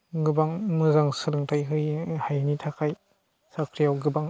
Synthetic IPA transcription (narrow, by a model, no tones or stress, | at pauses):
ɡɯbaŋmɯzaŋsɯɾɯŋtʰajɦɯjhajnitʰakʰaj | sakʰɾijawɡɯbaŋ